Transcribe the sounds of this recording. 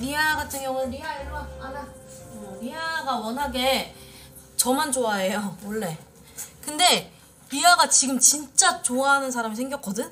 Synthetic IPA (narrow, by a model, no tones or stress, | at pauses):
ɾiaɡatʰɯŋjʌŋɯɭɾiaiɾaanaʌɾiaɡawʌnɦaɡe̞ | t͡ɕʌmand͡ʑoae̞jowʌɭːe̞ | kɯnde̞ | ɾiaɡat͡ɕiɡɯmt͡ɕint͡ɕ͈at͡ɕoaɦanɯns̬ʰaɾamis̬ʰeŋɡjʌk͈ʌdɯn